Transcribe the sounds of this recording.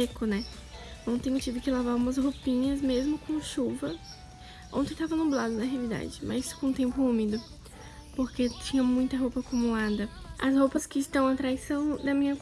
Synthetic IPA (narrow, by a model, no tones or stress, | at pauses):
ekʊnɛ | nɐ̃w̃t̪ẽj̃ʊt͡ʃivʊkɪlavaɾũmɐsɦopĩɲɐzmezmʊkõʃuvɐ | õ̰t̪ẽj̃t̪avɐnũblad̪ʊnɐɦealid̪a̰d͡ʒɪmʔɐzisʊ̥kõũt̪ẽmpʊũmid̪ʊ | poɾket͡ʃĩɲɐmũj̃t̪ɐɦowpɐaːkumulad̪ɐɐshowpɐskɪːst̪ɐ̃w̃at̪ɾajsɐ̃w̃d̪ɐmĩɲɐ